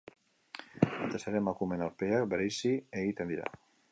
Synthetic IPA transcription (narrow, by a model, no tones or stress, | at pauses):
at̪eseɾemakumenaɾpeakbeɾejsieɣit̪end̪iɾa̰